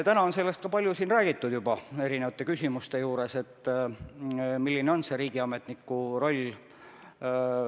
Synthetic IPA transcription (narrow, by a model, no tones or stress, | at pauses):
t̪ænɑonse̞lːe̞st̪̚kɑpɑlʲjusiːnræːɡ̥it̪ːˑud̪̥jubɑe̞ɾinevɑt̪ːˑe̞kysʲimust̪e̞juːɾe̞se̞t̪ːˑ | milːineo̞nse̞ɾiːɡ̥iɑme̞t̪nikːˑuro̞lʲː